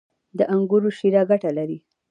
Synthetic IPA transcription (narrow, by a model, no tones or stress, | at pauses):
d̪əʔaŋɡuɾoʃiɾaɡaʈalaɾi